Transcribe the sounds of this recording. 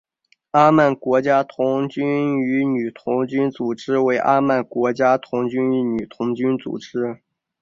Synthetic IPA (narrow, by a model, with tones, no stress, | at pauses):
a˥ma˥˩nkwɔ˧˥t͡ɕja˥t̪ʰʊ˧˥ŋt͡ɕy˥ny˧˥ny˨˩t̪ʰʊ˧˥ŋt͡ɕy˥nt͡su˨˩ʈ͡ʂɻ̩˥we˧˥ɪʔa˥ma˥˩nkwɔ˧˥t͡ɕja˥t̪ʰʊ˧˥ŋt͡ɕy˥ny˧˥ny˨˩t̪ʰʊ˧˥ŋt͡ɕy˥nt͡sṵ˨˩ʈ͡ʂɻ̩˥